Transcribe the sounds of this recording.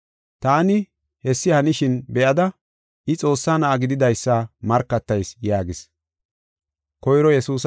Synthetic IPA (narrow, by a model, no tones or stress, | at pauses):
t̪aːnɪ | hɛsːɪhɐnɪʃɪnbɛʔɐd̪ɐ | ʔɪt͡sʼo̞ːsːaːnɐʔɐɡɪd̪ɪd̪ɐjsːaːmɐɾkːɐt̪ːɐjsjaːɡɪs | kɔjɾɔjɛsuːs